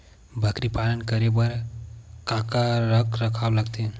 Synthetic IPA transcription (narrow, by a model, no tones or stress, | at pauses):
bʱəkɾipalənkəɾebəɾkãkaɾəkɾəkʰawləɡt̪e